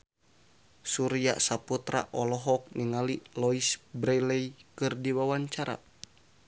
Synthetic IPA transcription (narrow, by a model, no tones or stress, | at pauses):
suɾija̰saput̪ɾa̰ʔɔlɔɦɔk̚niŋalilɔisbɾɛlɛjkɨrdiwawaɲt͡ʃaɾa̰